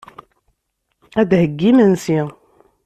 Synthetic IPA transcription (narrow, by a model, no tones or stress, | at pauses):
æd̪həɡːimənsi